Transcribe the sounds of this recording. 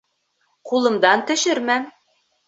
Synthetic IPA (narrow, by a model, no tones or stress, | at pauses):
qulˠɤ̆md̪ɑnt̪ɵ̆ʃɵɾmæm